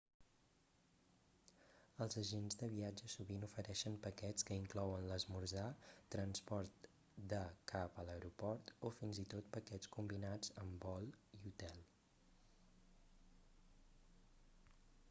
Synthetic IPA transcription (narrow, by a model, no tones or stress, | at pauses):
əlˠzəʒenzðəβiad͡ʒəsuβinufəɾɛʃənpəkɛt͡skəiŋklɔwənləzmuɾzat̪ɾənspɔɾt̪ | d̪əkʰapələwɾupɔɾt̪ofinzit̪ot̪̚pəkɛt͡skumbinad͡zəmbɔlˠiut̪ɛlˠ